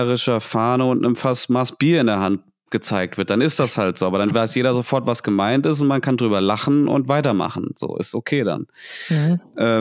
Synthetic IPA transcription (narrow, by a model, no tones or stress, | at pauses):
ʁɪʃɐfaːnəʊntnəmfastmasb̥iːɐɪndeɐɦant̚ | ɡ̥ət͡saɪk̚tv̥ɪɐt̚d̥anɪstd̥ashaltz̥oːabɐdanvaɪsjeːɾɐzofɔɐtv̥asɡ̥əmaɪntɪs̬t̬ʊntmankʰandʁyːbɐlaχn̩ʔʊ̰ntv̥aɪtɐma̰χn̩z̥o̰ːʔɪ̰stokʰeːda̰n | ʔɛː